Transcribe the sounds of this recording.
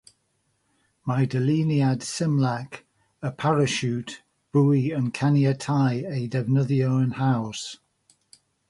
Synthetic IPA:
maɪdəliːniad̥sɪ̃mlak | əpʰaɹəʃʉˑt | b̥uːiə̃nkʰaniətʰaɪeɪdɛvnəðioʊə̃nhaʊs

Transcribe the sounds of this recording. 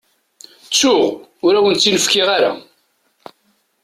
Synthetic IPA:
t͡sːʊʁʊɾæwənt͡sːinəfkɪʁaɾa̰

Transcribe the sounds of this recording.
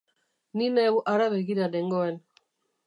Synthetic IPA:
ninewʔaɾaβeɣiɾadeŋɡoen

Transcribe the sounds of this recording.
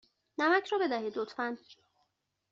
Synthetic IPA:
næmæcʰɾɒːbe̞d̪æɦiːd̪ot̪ʰfæn

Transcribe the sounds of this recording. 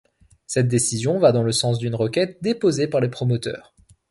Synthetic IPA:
sɛt̪̚d̪esizjɔ̃vad̪ɑ̃ləsɑ̃s̬d̪ynʁəkʲɛt̪̚d̪epozepaʁlepχɔmɔt̪œ̰ːʁ

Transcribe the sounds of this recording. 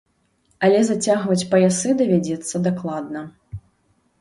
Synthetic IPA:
ɐlʲɛzat͡sʲaɣvɐt͡sʲpɐjasɨd̪ɐvʲad͡zʲɛt̪sːɐd̪aklˠad̪nɐ

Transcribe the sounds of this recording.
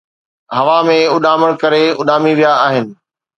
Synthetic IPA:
ɦɐʋamẽʊɗaːməɽ̃kɐɾeʊ̰ɗaːmiʋijaːɦɪnɪ̆

